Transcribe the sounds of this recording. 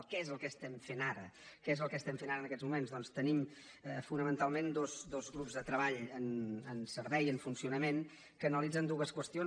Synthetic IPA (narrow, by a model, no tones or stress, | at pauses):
kɛezəlˠkəːst̪ɛmfenaɾəkezəlˠkəːst̪ɛmfenaɾənəkɛd͡zzmumenzðɔnst̪ənim | əfunəmənt̪alˠmend̪ozd̪ozɣɾupzðət̪ɾəβaʎənənsəɾβɛjəɱfunsiunəmen | kəːnəlid͡zənd̪uɣəskwəst̪io